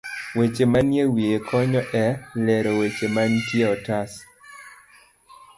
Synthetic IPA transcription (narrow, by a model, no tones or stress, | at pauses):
wet͡ʃemanjewiekʰɔɲɔʔɛlɛɾɔwet͡ʃemantjeɔtas